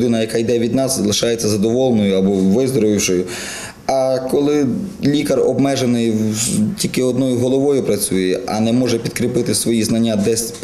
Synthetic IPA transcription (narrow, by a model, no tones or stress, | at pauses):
d̪ɪnɐjɐkajd̪ɛʋʲid̪nɑszlˠɪʃɑjet͡sʲːɐzɐd̪ɔʋɔlˠnɔjʊɐbɔʋɪzd̪ɔɾʋɪwʃɔjʊ | ɐkɔlˠɪlʲikɐrɔ̰bmɛʒenɪjwtʲilʲkɪɔd̪nɔjʊɦɔlˠɔʋɔjʊpɾɐt͡sʲujɛʔɐ̰nɛmɔʒɛpʲid̪kɾɪpɪt̪ɪsʋɔjiznɐnʲːad̪ɛsʲp